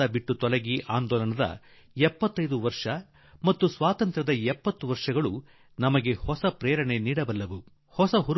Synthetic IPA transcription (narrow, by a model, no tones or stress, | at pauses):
ɐbiʈːut̪ɔlɐɡiʔaːnd̪ɔːlɐnɐd̪ɐ̰ | ɛpːɐt̪ːɐjd̪uʋɐɾʂɐ | mɐt̪ːusʋaːt̪ɐnt̪ɾɐd̪ɐɛpːɐt̪ːuʋɐɾʂɐɡɐɭu | nɐmɐɡe̞hɔsɐpɾɛːɾɐɳe̞niːɽɐbɐlːɐʋu | hɔsɐɦuɾ